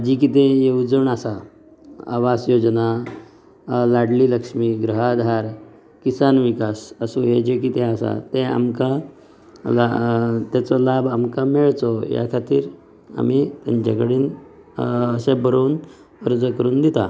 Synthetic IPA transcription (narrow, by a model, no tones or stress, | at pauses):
d͡ʑik̬it̪ẽjeud͡zəɳasa | a̰ʋasjod͡ʑna | laɽliləkʂmiɡɾuɦad̪ʱaɾ | kisanʋikasəsũɦed͡ʑekit̪ẽasa̰t̪ẽa̰mka | lat̪jat͡sɔlabʱamkameɭt͡sɔja̰kʰat̪iːɾ | a̰mit̪a̰ɲt͡ɕakəɽiːn | əɕebəɾoːn | əɾd͡zəkəɾuːnd̪it̪a